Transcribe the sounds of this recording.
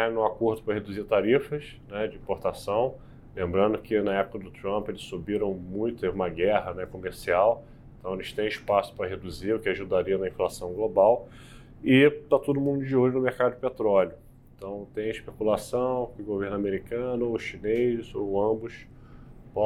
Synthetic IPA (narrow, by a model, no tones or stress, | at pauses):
ɛnʊakoɾd̪ʊpɾɐɦed̪uziɾt̪aɾifɐʃ | nɛd͡ʒɪĩpoɾt̪asɐ̃w̃ | lẽmbɾɐ̃nd̪ʊkɪnɐɛpʊ̥kɐd̪ʊt̪ɾɐ̃mpʊelɪssubiɾɐ̃w̃mũj̃t̪ʊt̪evũmɐɡɛɦɐnɛkomeɾsiaw | ẽt̪ɐ̃w̃elɪʃt̪ẽj̃ɪʃpasʊ̥pɾɐɦed̪uziɾʊkɪaʒud̪aɾiɐnɐĩflasɐ̃w̃ɡlobaw | ɪt̪at̪od̪ʊmũnd̪ʊd͡ʒɪolʊnʊmehkad̪ʊd͡ʒɪpet̪ɾɔlʲjʊ | ẽt̪ɐ̃w̃t̪ẽj̃ɪʃpekulasɐ̃w̃kɪʊɡoveɾnʊameɾikɐ̃nʊoʃinezoɐ̃bʊʃ | pɔ